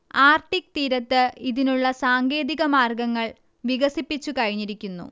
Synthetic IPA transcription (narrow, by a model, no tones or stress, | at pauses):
aːrʈik̚t̪iːɾɐt̪ːɨiðinuɭːɐsaːŋɡe̞ːðiɣɐmaːrɡɐŋːɐɭ | ʋiɣɐsipːit͡ɕːukɐɻiɲːiɾikʲːunːṵ